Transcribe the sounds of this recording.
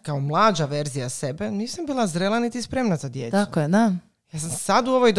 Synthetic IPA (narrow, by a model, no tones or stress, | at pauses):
kaomlˠaːd͡ʒaʋe̞ɾzijase̞beniːsambiːlˠazɾelˠanit̪ispɾeːmnazad̪jeːt̪akojed̪a | jaːsamsad̪uoʋojd̪